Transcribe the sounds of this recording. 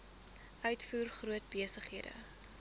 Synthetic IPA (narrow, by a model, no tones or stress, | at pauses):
ʔœɥtfuːrχruət̚biəsəχɦiədə̰